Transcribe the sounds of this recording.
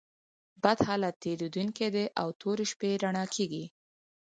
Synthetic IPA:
bad̪hɑlat̪ːeɾed̪unked̪eʔawt̪ʰoɾeʃpeɾaɳɑkʰeɡi

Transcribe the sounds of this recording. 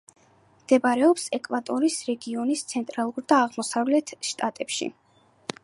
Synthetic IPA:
md̪̥ɛbaɾɛɔpsɛkʼvat̪ʼɔɾisɾɛɡiɔnist̪sʰɛnt̪ʼɾalˠuɾd̪aːʁmɔsavlɛt̪ʰʃt̪ʼat̪ʼɛpʃḭ

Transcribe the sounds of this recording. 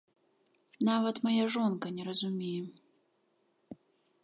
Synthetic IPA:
navɐt̪majaʐɔnkɐnʲɛɾɐzumʲejɛ

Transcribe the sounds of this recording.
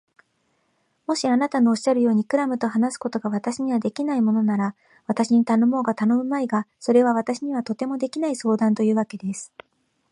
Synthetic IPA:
mo̞ɕianat̪ano̞ːɕːaɾɯ̟jo̞ːɲ̟ikɯ̟ɾamɯ̟t̪o̞ɦanasɨ̥ko̞t̪o̞ɡaβat̪aɕiɲ̟iβad̪e̞kʲinaimo̞no̞naɾa | βat̪aɕiɲ̟it̪ano̞mo̞ːɡat̪ano̞mɯ̟maiɡaso̞ɾe̞β̞aβ̞at̪aɕiɲ̟iβat̪o̞t̪e̞mo̞d̪e̞kʲinaiso̞ːd̪ãnt̪o̞jɯ̟ːβ̞ake̞d̪e̞sɨ̥

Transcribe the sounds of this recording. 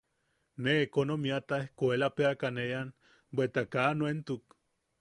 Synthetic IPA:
neːkonomiat̪aehkoelapeakanejan | bʷet̪akanwent̪uk

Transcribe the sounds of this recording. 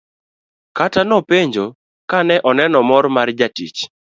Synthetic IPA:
katanɔpeɲd͡ʒo | kanɛʔɔnɛnɔmɔɾmard͡ʒatḭt͡ʃ

